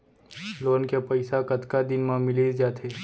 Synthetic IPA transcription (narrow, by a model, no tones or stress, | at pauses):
loːnkepɐɪsakɐt̪kad̪ɪnmãmɪled͡ʒaːt̪ʰeː